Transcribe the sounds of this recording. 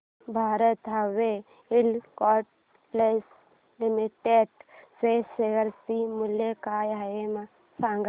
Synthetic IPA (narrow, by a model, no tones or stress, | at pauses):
bʱaːɾət̪ɦɐʋe | ɪlkɔʈ | les | limiʈeɖseseɡəɾsimʊljekajɦema | sãːŋɡ